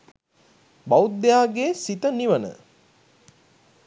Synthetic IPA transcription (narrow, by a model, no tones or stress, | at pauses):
bawud̪ːejaːɡeːsit̪əniʋənə̰